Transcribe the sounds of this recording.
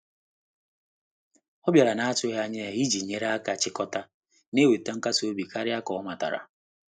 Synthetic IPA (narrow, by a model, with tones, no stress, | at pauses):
ɔ˦bja˨ɾa˨na˨˦a˦tʊ˦ɦa˦ɲe˦˨i˦d͡ʒi˨ɲe˦ɾa˦a˦ka˨t͡ʃɪ˦kɔ˦ta˦ | ne˦we˨ta˦ŋ̩˦ka˦so˦bi˨ka˦ɾɪ˦a˦kɔ˨ɔ˦ma˨ta̰˨ɾa̰˨